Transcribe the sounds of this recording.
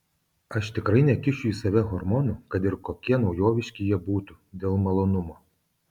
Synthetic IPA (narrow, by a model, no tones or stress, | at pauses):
ɐʃt̪ʲɪkɾɐɪnʲɛkʲɪt͡ʃʲʊisɐʋʲɛɦɔɾmɔnʊkɐt̪ɪɾkɔkʲiɛnɐʊjoːʋʲɪʃʲkʲɪjɛbuːt̪ʊ | d̪ʲeːlˠmɐlˠɔnʊmo